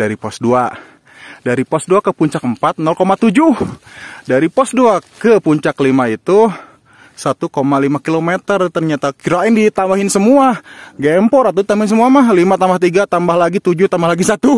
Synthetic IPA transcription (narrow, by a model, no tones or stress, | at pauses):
daɾipɔsdua | daɾipɔsduakəpuɲt͡ʃakəmpat̪̚nɔlkomat̪ud͡ʒuhdaɾipɔsduakəpuɲt͡ʃaklimait̪u | sat̪ukomalimakilomet̪ərt̪ərɲat̪akiɾaɪndit̪ambaɦɪnsəmuaɡɛmpɔɾat̪ut̪amaɪnsəmuamahlimat̪ambaht̪iɡat̪ambahlaɡit̪ud͡ʒuht̪ambahlaɡisat̪u